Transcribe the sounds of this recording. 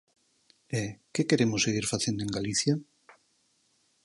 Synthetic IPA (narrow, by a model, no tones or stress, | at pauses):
ekekeɾemʊseɣiɾfaθjẽnd̪oeŋɡaliθja